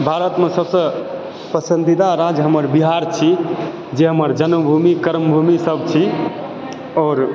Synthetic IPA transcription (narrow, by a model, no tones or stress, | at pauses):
bʱaɾət̪mesəbsə̃ | pəsənd̪id̪aɾad͡ʒɦəməɾbiɦaɾt͡ʃʰi | d͡ʒeɦəməɾd͡ʒənməbʱumikəɾmbʱumisəbt͡ʃʰi | ɔːɾ